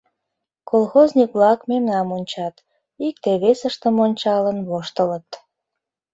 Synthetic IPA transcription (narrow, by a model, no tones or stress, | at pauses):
kolˠxoznʲikβlɑkmemnɑmonʲt͡ɕɑt̪ | ik̚t̪eβesəʃt̪əmonʲt͡ɕɑlənβoʃt̪ələt̪